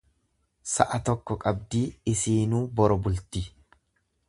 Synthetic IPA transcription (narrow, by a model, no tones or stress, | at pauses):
sɐʔɐt̪ɔkːɔkʼɐbd̪iːɪsiːnuːbɔɾɔbʊlt̪i